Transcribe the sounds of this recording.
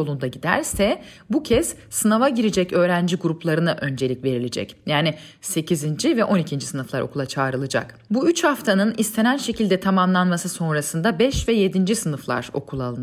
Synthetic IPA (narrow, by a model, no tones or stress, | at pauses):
olˠund̪aɟid̪æ̰ɾsɛ | bucʰɛz̥sɯnavaɟiɾid͡ʒɛcø̞ːɾænd͡ʒiɡuɾuplˠaɾɯnaʔø̞nd͡ʒelʲicve̞ɾilʲed͡ʒɛ̰cjaːnɪ | se̞cʰizind͡ʒivɛʔo̞nicʰind͡ʒisɯnɯflˠaɾʔo̞̰kulˠat͡ʃʰaːɾɯlˠɯd͡ʒa̰kbuyt͡ʃhaft̪ʰanɯnist̪ʰe̞nænʃe̞cilʲd̪ɛt̪ʰamamlˠanmasɯso̞nɾasɯnd̪abɛʃvɛje̞d̪ind͡ʒisɯnɯflˠa̰ɾ̥o̞̰kʰulˠalˠɯn